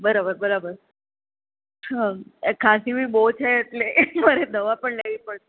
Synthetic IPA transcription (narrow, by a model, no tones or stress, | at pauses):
bəɾabəɾbəɾabəɾ | ɦãekʰasibiːbot͡ʃʰeet̪leməɾed̪əʋapəɳleʋiːpəɭe